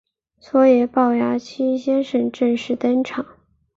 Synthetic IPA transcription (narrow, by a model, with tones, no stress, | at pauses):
sʰwɔ˥jɛ˨˧˩pɑ˥˩ʊja˥t͡ɕʰi˥ɕjɛ˥nʂə˥˩nʈ͡ʂə˥˧ŋʂɻ̩˥˩t̪ə˥nʈ͡ʂʰɑ˨˩˦ŋ